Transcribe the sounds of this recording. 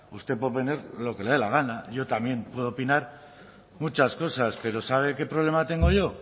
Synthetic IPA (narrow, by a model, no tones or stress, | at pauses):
ust̪e̞pwoðeneɾlo̞ke̞leðelaɣ̞anaʝo̞t̪amje̞mpwe̞ðopinaɾ | mut͡ʃasko̞saspe̞ɾo̞saβ̞eke̞pɾo̞β̞lemat̪e̞ŋɡo̞ʝo̞